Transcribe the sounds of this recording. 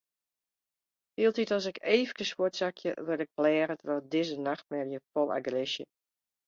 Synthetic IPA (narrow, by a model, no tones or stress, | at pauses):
hiəlˠtitɔsɪkeːvəkəswʊtsakʰjə̰ʋɪlɪk̚plɛːɾətərɔdɪzənaxt̚mɛrjəfɔlˠa̰ɡrɪʃjə